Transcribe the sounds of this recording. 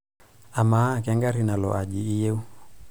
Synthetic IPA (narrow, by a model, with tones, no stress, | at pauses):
a˨ma˨˦˨k̬ɛ˦ŋɡa˦ɾi˦na˨lɔ̰˨ʔa˨ʄiː˨˦je˦u˦